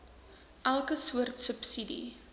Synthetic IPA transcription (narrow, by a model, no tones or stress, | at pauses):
ʔælˠkəsuərtsəpsidḭ